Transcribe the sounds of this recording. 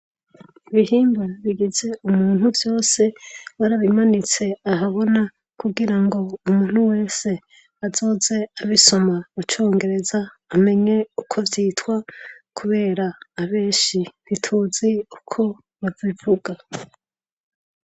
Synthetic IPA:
iβihiːmbaβiɡize̞umuːn̥huvjo̞ːse̞βaɾaβimanit͡se̞aɦaβo̞na | kuɡiɾaŋɡo̞umuːn̥huwe̞ːse̞ | azo̞ːze̞aβiso̞maβat͡ʃo̞ːŋɡe̞ɾe̞zaː | me̞ɲe̞ukʰo̞vjiːtwakʰuβe̞ːɾaːβe̞ːʃiβitʰuːziukʰo̞ | βavivuɡa

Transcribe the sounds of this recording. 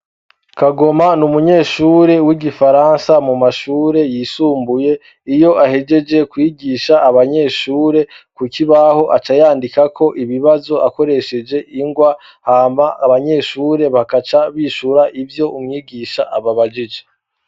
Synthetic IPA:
kaɡo̞manumuɲe̞ːʃuːɾe̞wiɡifaɾaːnsamumaʃuːɾe̞jiːsuːmbuje̞ | ijo̞ʔahe̞d͡ʒe̞d͡ʒe̞kwiːɡiʃaːβaɲe̞ːʃuːɾe̞kukiβaho̞ʔat͡ʃajaːndikakʰo̞ʔiβiβazo̞ʔako̞ɾe̞ʃe̞d͡ʒe̞ʔiŋɡwa | haːmaaβaɲe̞ːʃuːɾe̞βakat͡ʃaβiːʃuɾaʔivjo̞ʔumŋiːɡiːʃaʔaβaβad͡ʒid͡ʒe

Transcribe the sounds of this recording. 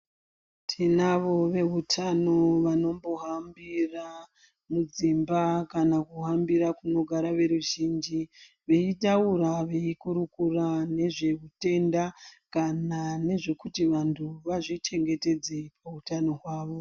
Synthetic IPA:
tʰinaʋo̞ʋe̞ɦutʰano̞ʋano̞mbo̞ɦambira | mud͡zimbakanakuɦambiɾakuno̞ɡʱaɾaʋe̞ɾuʒiːnd͡ʒi | ʋe̞itauɾaʋe̞ikuɾukurane̞ʐe̞ɦute̞ndakanane̞ʐe̞kutiʋantʰuʋaʐit͡ʃe̞ŋɡe̞te̞d͡zepautano̞ɦwaːʋo̞

